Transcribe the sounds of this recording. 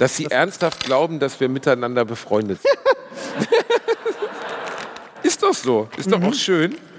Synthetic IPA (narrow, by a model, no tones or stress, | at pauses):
d̥asz̥iːʔɛɐnsthaft̚ɡ̥laʊbm̩dasv̥iːɐmɪtaɪnandɐbəfʁ̥ɔʏndətz̥ɪnn | ʔɪstd̥ɔχz̥oːʔɪsd̥ɔχa̰ʊʃøːn